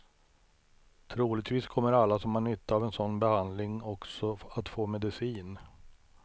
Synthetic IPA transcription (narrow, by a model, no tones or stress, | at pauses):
t̪ʰɾuːlɪɡ̚t̪viːskʰɔmːəɾalːasɔmaɳʏt̪ːaaːvɛnsɔnːbɛhand̪lɪŋɔksɔat̪foːmɛd̪ɪsiːn